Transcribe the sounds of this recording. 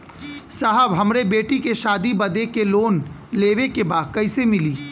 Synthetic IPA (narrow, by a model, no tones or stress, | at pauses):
saɦəbɦɐmɾebeːʈikeʃaːd̪ibɐd̪ekeloːn | leːʋekebaːd̪̚kɐɪsemɪliː